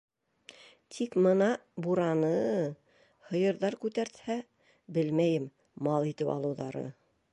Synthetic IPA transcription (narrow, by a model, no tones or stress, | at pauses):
t̪ʰikmɤ̆nɑbuɾɑnɤ | hɤ̆jɤ̆ɾðɑɾkʉt̪æɾt̪hæ | bɘlmæjɘm | mɑlˠit̪ɘpɑ̰lˠɤ̆wðɑ̰ɾɤ̰